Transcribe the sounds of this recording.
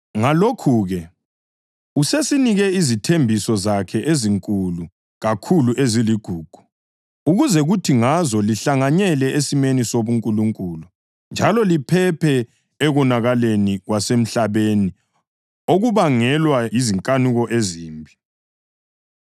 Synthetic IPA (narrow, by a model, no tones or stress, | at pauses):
ŋalokʰuɣɛ | usesiniɣɛizitʰembʱisɔzakʰɛʔeziŋkʼulu | ɣakʰuluʔeziliɡ̥ʱuːɡ̥ʱu̥ | uɣuzɛɣutʰiŋazɔliɬaŋaɲɛlɛʔesimenisoβuŋkʼuluŋkʼuːlu | nd͡ʒʱalɔlipʰɛpʰɛː | ɣɔnaɣaleniɣwasem̩ɬaβeni | oɣuβaŋɛlwajiziŋkʼanuɣɔʔeziːmbʱi